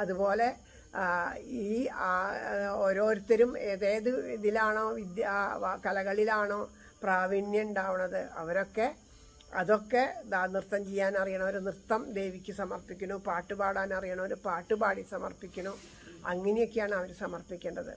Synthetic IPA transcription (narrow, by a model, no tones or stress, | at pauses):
ɐðubo̞ːle̞ | iːa | oɾo̞ːɾut̪ːɐɾumeːðeːðɨðilaːɳo̞ːʋid̪jakɐlɐɣɐɭilaːɳo̞ː | praːʋiɳjɐuɳɖaːʋuɳːɐðɨɐ̰ʋɐɾo̞kːe̞ | ɐðo̞kːe̞d̪aːnirt̪ːɐmt͡ɕejːaːnɐrijɐɳɐmoɾunrɨt̪ːɐmd̪e̞jʋikʲːɨsɐmɐrpikʲːunːupaːʈːɨbaːɽaːnɐrijɐɳɐmo̞ɾupaːʈːɨbaːɽisɐmɐ̰rpikʲːunːu | ɐŋːɐnijo̞kːejaːɳɨɐʋɐɾsɐmɐrpikʲːeːɳɖɐðɨ̰